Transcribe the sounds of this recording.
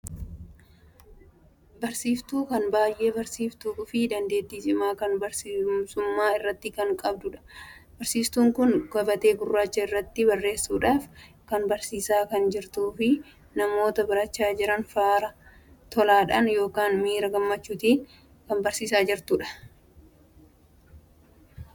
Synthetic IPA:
bɐɾsiːft̪uːkɐnbaːjʔe̞ːbɐɾsiːft̪uːʊfid̪ɐnd̪e̞ːt̪ːiːsɪmaːkɐnbɐɾsiːmsʊmːaːɪrːɐt̪ːɪkɐŋkʼɐbd̪ʊᶑɐ̥ | bɐɾsiːst̪uːŋkʊnɡ̥ɐbɐt̪e̞ːbʊrːaːt͡ʃːɐɪrːɐt̪ːɪbɐrːe̞ːsːuːᶑaːf | kɐnbɐɾsiːsaːkɐnd͡ʒɪɾt̪uːfɪ | nɐmo̞ːt̪ɐbɐɾɐt͡ʃːaːd͡ʒɪɾɐnfaːɾɐ | t̪ɔlaːᶑɐnjo̞ːkaːnmiːɾɐɡɐmːɐt͡ʃːuːt̪iːn | kɐmbɐɾsiːsaːd͡ʒɪɾt̪uᶑɐ̥

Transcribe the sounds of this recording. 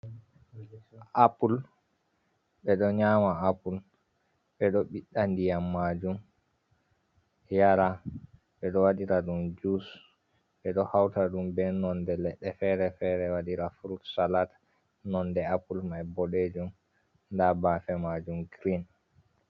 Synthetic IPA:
ʔapul | ɓɛɗɔɲamaapul | ɓɛɗɔɓiɗːandijamːad͡ʒum | jaɾa | ɓɛɗɔwaɗiɾaɗumd͡ʒus | ɓɛɗɔhawtaɗumbɛnɔndɛlɛɗːɛfɛɾɛfɛɾɛwaɗiɾafuɾutsalata | nɔndɛapulmajbɔɗed͡ʒum | ndabafɛmad͡ʒumɡɾin

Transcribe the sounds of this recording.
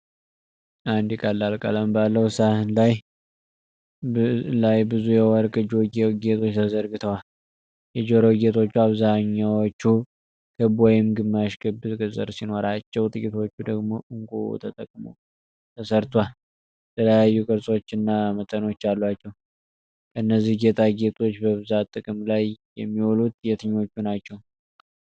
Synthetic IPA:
ʔand̪ikʼalːalkʼa̰ləmbalːəwsahɨnlaj | lajbɨzujɛwɔɾkʼɨd͡ʒoɡeɡet̪ʰo̞t͡ʃːt̪ʰəzəɾɡɨt̪ʰəwal | jɛd͡ʒoɾoɡet̪ʰo̞t͡ʃːuaβzaɲːawot͡ʃːu | kʰɨbwɔjɪmɡɨmːaʃkʰɨbɨkʼɨzʼɨ̰ɾsino̞ɾat͡ʃːɛwt̪ʼɨkʼit̪ʰo̞t͡ʃːud̪əɡmo̞̰ʔɨŋkʼṵt̪ʰət̪ʼəkʼmṵ | t̪ʰəsəɾt̪ʰwal | jɛt̪ʰələjajːukʼɨɾsʼo̞t͡ʃːɪnːamət̪ʼəno̞t͡ʃːalːwat͡ʃːɛw | kʰəɨnːəzihɡet̪ʰaɡe̞t̪ʼo̞t͡ʃːbəβɨzat̪ʼːɨkʼɨmlajjɛmːiwolut̪jɛt̪ʰɨɲːo̞t͡ʃːunat͡ʃːɛw

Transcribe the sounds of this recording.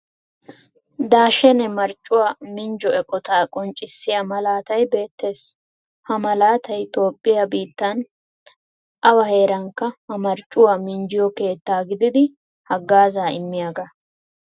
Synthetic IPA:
d̪aːʃɛnɛmɐɾt͡ʃʼːʊwaːmɪnd͡ʒɔɛkʼɔt̪aːkʼɔnt͡ʃʼːɪsːɪjɐmɐlaːt̪ɐjbe̞ːt̪ːe̞ːs | hɐmɐlaːt̪ɐjt̪o̞ːpʼːɪjabiːt̪ːɐn | ʔɐwɐhe̞ːɾɐŋkːɐhɐmɐɾt͡ʃʼːʊwamɪnd͡ʒɪjɔke̞ːt̪ːaːɡɪd̪ɪd̪ɪ | hɐɡːaːzaːɪmːɪjaɡɐ

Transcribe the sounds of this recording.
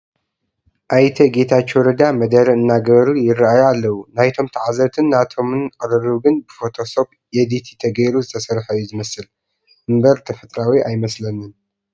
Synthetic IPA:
ʔajt̪ʰɐɡe̞t̪ʰat͡ʃːwɔɾɐd̪amɐd̪ɐɾɐɨnːaɡɐβɾujɪrɨajalːɐwunajt̪ʰo̞mt̪ʰɐʕazɐt̪ʰɨnːat̪ʰo̞mɨnkʼɨɾɨɾɨɡɨnbɨfo̞t̪ʰo̞so̞p | jed̪it̪ʰi̥t̪ʰɐɡɐjɾuzɨt̪ʰɐsɐɾħajːuzɨmɐsɨl | ʔɨmbɐɾt̪ʰɐfɐt̪ʼɾawiʔajmɐslɐnɨn

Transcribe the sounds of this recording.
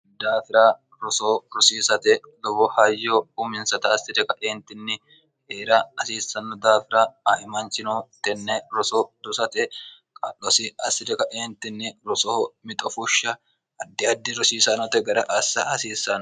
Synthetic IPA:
d̪aːfɪɾa | ɾɔsoːɾʊsiːsɐt̪ɛlɔbɔhɐjːoumɪnsɐt̪ɐːsɪd̪ɛkɐʔeːnt̪ɪnːɪ | heːɾɐɐsiːsːɐnːɔd̪aːfɪɾaaʔɪmɐnt͡ʃɪnut̪ɛnːɛɾɔsoːd̪ʊsɐt̪ɛ | kʼɐ̰lːɔsɪɐsːɪd̪ɛkɐʔeːnt̪ɪnːɪɾɔsoːmɪt̪ʼɔfʊʃːɐ | ɐd̪ːɪɐd̪ːɪɾʊsiːsɐnɔt̪ɛɡɐɾɐʔɐsːɐɐsiːsːɐn

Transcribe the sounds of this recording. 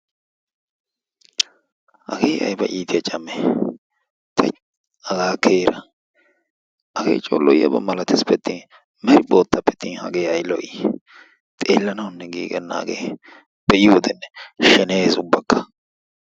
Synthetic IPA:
hɐ̰ɡeːʔɐ̰jbɐʔiːt̪ɪjɐt͡ʃʼɐme | t̪ʰɐ | ɐɡaːkʰeːɾɐ | ʔɐɡḛːt͡ʃʼo̰ːlːɔjɐ̰bɐ̰mɐlɐt̪ɪspɛt̪ːi | mɛɾɪbo̞ːt̪ːɐpːɛ̥t̪ːiːnhɐ̰ɡe̞ːɐjlɔ̰j | t̪ʼeːlːɐnɐwnːɛɡiːɡɛ̰nːa̰ːɡḛː | b̥ɛʔɪud̪ɛnːɛʃɛneːzʊbːɐkːɐ̥

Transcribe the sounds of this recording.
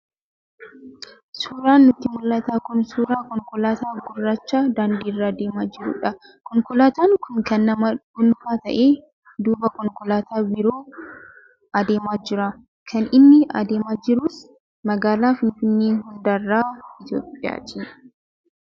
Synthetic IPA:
suːɾaːnːʊt̪ːɪmʊlːɐt̪aːkʊnsuːɾaːkɔŋkʊlaːt̪aːɡʊrːat͡ʃːaːd̪aːnd̪iːrːad̪eːmaːd͡ʒɪɾʊ̰ᶑɐ | kɔŋkɔlaːt̪aːŋkʰʊŋkɐnːɐmɐʊnfaːt̪ɐ̰ʔeː | d̪uːbɐkɔŋkɔlaːt̪ʰaːbɪɾo̞ː | ɐd̪e̞ːmaːd͡ʒɪɾɐ | kʰɐnɪnːɪɐ̰d̪e̞ːmaːd͡ʒɪɾuːs | mɐɡaːlaːfɪnfɪnːeːɦʊnd̪ɐrːaːɪt̪jo̰ːpʼːɪja̰ːt̪ʰi

